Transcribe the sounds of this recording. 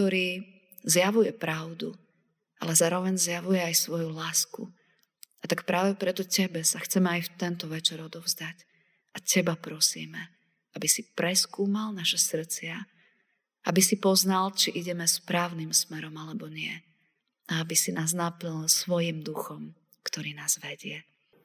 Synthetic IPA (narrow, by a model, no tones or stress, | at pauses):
k̚t̪ɔɾiː | zjaʋujɛpɾaʊd̪u | a̰lɛzaːɾɔʋɛɲzjaʋujɛajsʋɔjulaːskṵ | at̪akpɾaːʋɛpɾɛt̪ɔcɛbɛsaxt͡sɛmɛajft̪ɛnt̪ɔʋɛt͡ʃɛɾɔd̪ɔʊzd̪ac | acɛbapɾɔsḭːmɛ | abisipɾɛskuːmalnaʃɛsr̩t͡sɪa | ʔabisipɔznalt͡ʃiʔiɟɛmɛspɾaːʊnimsmɛɾɔmalɛbɔɲɪɛ | aabisinaːznaplɲlsʋɔjimd̪uxɔm | kt̪ɔɾiːnaːzʋɛɟɪɛ